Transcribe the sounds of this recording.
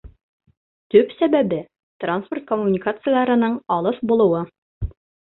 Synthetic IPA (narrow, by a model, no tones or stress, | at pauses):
t̪ɵpsæbæbɘ | t̪ransport̪̚komːunʲɪkat̪sɨjəlˠɑɾɤ̆nɤɴɒlˠɤfbulˠɤ̆wɤ